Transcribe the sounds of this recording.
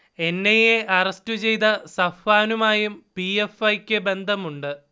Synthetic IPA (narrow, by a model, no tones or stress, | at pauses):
e̞nːejeʔɐrɐstut͡ɕe̞jt̪ɐsɐfaːnumaːjumpiefɐjkʲːɨbe̞nd̪ʱɐmuɳɖɨ